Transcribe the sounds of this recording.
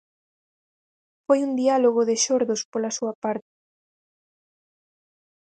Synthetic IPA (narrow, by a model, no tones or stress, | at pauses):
fojund̪ialoɣ̞oðɪʃoɾðʊspolɐsuɐpaɾt̪ɪ̥